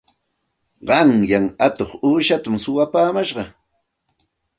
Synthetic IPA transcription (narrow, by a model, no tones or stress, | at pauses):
ɢɑŋjaŋat̪oχuːʃat̪ʊmsʊwapaːmaʃɢɑ